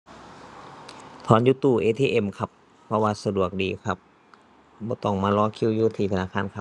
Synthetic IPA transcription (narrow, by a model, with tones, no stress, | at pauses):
t̪ʰɔː˧˦njuː˧˦t̪uː˧˩ʔeː˧t̪ʰiː˧ʔe˧˨mkʰa˧˥pʰː | ɔ˧waː˧sa˧du˨˩ək̚diː˨kʰa˧˩p̚ | bɔː˧˦t̪ɔ˧˩ŋmaː˧˥˨lɔː˧˥˦kʰi˧˥˨wjuː˧t̪ʰiː˧t̪ʰa˧naː˧˩kʰaː˧˥˨nkʰa˧p̚